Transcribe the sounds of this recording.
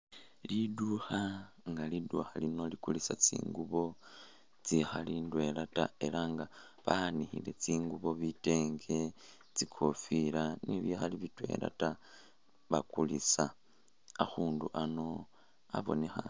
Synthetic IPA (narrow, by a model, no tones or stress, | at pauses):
liduxa | ŋɡaliduxalino̞likulisat͡sḭːŋɡuβo̞ | t͡sixalindwe̞lata̰e̞laŋɡa | βaanixile̞t͡siːŋɡuβo̞βite̞ːŋɡe̞ | t͡sikʰofilaniβjoxaliβitwe̞̰la̰ta | βakulisa | axuːnduʔano̞ | a̰βo̞̰ne̞xa